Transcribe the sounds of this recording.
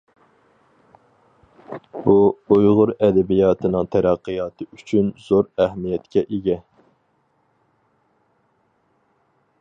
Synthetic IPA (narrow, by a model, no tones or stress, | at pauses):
buujʁʊɾɛd̪ɛbijɑːt̪ʰɨnɨŋt̪ʰæɾæqʰːɨjɑːt̪ʰɨyt͡ʃʰynz̥oɾæɦmijɛt̪kʲɛʔeɡʲɛ